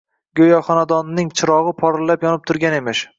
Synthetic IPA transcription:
ɡʲojɒχɒnad̪ɒnːɪŋt͡ʃʰɪɾɒʁɨpʰɒɾɪlːapjɒnɪp̚t̪ʰʊɾɡʲane̞mɪʃ

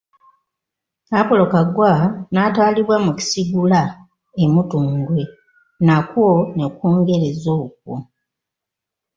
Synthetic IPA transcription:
apolo̞kaɡwanaːtwaːliβwamuci̥siɡula | emutuːŋɡwe̞ | nakwonekoːŋɡe̞ɾezok̚wo

